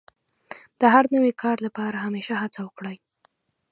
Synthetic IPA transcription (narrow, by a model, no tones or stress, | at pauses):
d̪̥əɦaɾnəwekʰɑɾlapɑɾaɦameʃaɦat͡sawəkɽaj